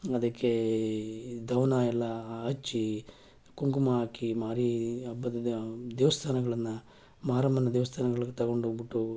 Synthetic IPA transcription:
ɐd̪ɐkːe | d̪ʱɐwnaːjɛlːɐɐt͡ʃːi | kuŋkumɐaːkimaːɾiɐbːɐd̪ɐd̪ɐd̪ɛːʋɐst̪ʰaːnɐɡɐɭɐnːɐ | maːɾɐmbɐnɐd̪ɛːʋɐst̪ʰaːnɐɡɐɭɐɡet̪ɐɡo̞ɳɖubiʈːu

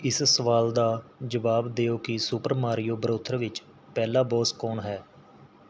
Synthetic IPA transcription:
ɪssəʋaːld̪aːd͡ʒəʋaːbd̪eːoːkɪsʊpəɾmaːɾɪjoːbəɾoːt̪ʰəɾʋɪt͡ʃ | pɛːlaːbɔːskɔːɳɦɛː

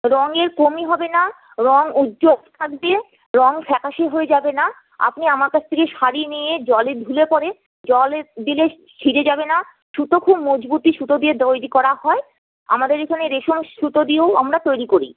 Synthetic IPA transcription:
ɾɔŋeɾkomiɦɔbena | ɾɔŋudd͡ʑobt̪ʰakbie | ɾɔŋfɛkʰaʃeɦoed͡ʑabena | a̰pniamaɾkat͡ɕʰt̪ʰekeʃaɾinijed͡ʑɔled̪ʱulepɔɾe | d͡ʑɔled̪ile | ʃʰiɾed͡ʑabena | ʃut̪okʰubmod͡ʑbut̪iʃut̪od̪ied̪ojɾikɔɾaɦɔe | a̰mad̪eɾekʰaneɾeʃomʃut̪od̪ioamɾat̪ojɾikoɾḭ

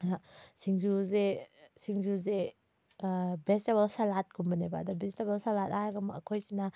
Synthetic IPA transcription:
asiŋzuzesiŋzuze | besteβɐlsalat̚ɡumbɐnebaːdabɛstebɐlsalatajɡamaa̰kʰɔjsina

